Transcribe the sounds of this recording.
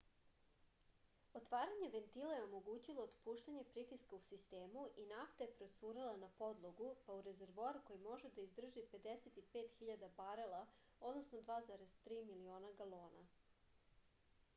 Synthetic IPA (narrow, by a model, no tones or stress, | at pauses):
ot̪ʋaːɾaɲe̞ʋe̞nt̪ilˠajeo̞mo̞ɡuːt͡ɕilˠoːd̪puːʃt̪aɲe̞pɾit̪iskausist̪e̞ːmuʔinaft̪ajepɾo̞suːɾalˠanapo̞d̪lˠo̞ɡupauɾe̞ze̞ɾʋaːɾko̞jimo̞ʒed̪aizd̪r̩ʒipe̞d̪eset̪ipeːt̪xiʎad̪abaɾelˠa | o̞d̪no̞snod̪ʋaːzaɾe̞zt̪ɾiːmilio̞ːnaɡalˠo̞ːna̰